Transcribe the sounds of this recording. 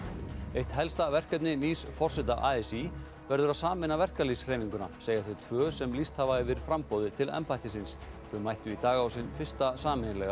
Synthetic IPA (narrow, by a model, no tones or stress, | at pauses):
ejht̪ɦɛlst̪avɛr̥kɛp̪̚nɪniːsfɔr̥sɛt̪aʔaːɛsi | vɛɾðʏɾaðsaːmɪnːavɛr̥kalisrejniŋkʏna̰seːjaɾθœt̪ʰvœːsɛmlist̪havaɪvɪɾfɾampɔwðɪt̪ʰɪlɛ̰mpajt̪ɪsɪnsθœmajht̪ʏit̪aːɣawsinfɪ̥st̪asaːmɪnlɛɣa